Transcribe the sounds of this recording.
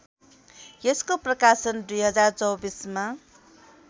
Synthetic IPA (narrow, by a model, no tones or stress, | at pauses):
jeskoprʌkasʌnd̪ujɦʌd͡zart͡sʌwbisma